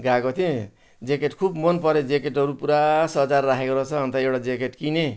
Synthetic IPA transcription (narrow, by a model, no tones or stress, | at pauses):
ɡakot̪ʰẽ | d͡zekeʈkʰubmʌnpʌɾed͡zekeʈɦʌɾupuɾasʌt͡sarːakʰekoɾʌt͡sʰʌːnt̪ʌewɽad͡zekeʈkine